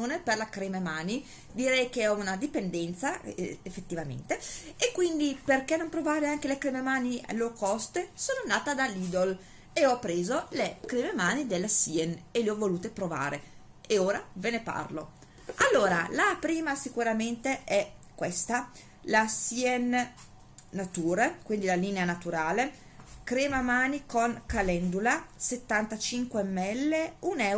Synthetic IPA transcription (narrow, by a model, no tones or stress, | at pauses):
oːneperlakɾememaːni | d̪iɾɛjkeɔunad̪ipend̪ɛnt̪sa̰efːet̪ːivamḛnt̪eːkːwind̪iperkenːompɾovaːɾeaŋk̟elekɾememaːnia̰lːoːokɔst̪esoːnoanːaːt̪ad̪alːiːd̪ol | eɔpːɾeːzolekɾememaːnid̪elːasiɛnelːeɔvːoluːt̪epɾova̰ːɾe | eoːɾavenepa̰rlo̰ | alːoːɾalapɾiːmasikuɾament̪eɛkwest̪a | lasiɛnː | at̪uːɾekwind̪ilaliːneanat̪uɾaːle | kɾeːmamaːnikoŋkalɛnd̪ulaset̪ːant̪at͡ʃiŋkwemːɛlːeunɛ